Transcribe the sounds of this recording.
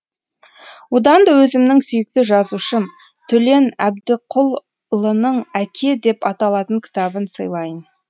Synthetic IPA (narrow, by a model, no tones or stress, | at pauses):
wod̪ɑnd̪ɑwɵzɪmnɪŋsʏjɪk̚t̪ɪʒɑzuʃə | t̪ʰɵle̞næ̰b̚d̪ɪqʰʊlˠ | ʊlˠənəɴækʲʰe̞d̪e̞pɑt̪ɑlˠɑt̪əŋkʲʰɪ̥t̪ɑbənsəjlˠɑjən